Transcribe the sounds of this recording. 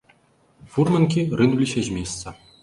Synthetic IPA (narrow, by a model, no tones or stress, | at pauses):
furmʲɘ̆nkʲirɨnulʲiɕeʑʲmʲesːɑ